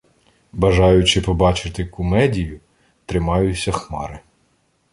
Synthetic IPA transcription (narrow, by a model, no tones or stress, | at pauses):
bɐʒɑjʊt͡ʃɪpɔbɑt͡ʃɪt̪ɪkɔmɛdʲijʊ | t̪ɾɪmɑjʊt͡sʲːɐxmɑɾɪ